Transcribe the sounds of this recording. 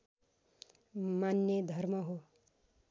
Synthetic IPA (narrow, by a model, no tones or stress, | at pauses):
manːed̪ʱʌrmʌɦo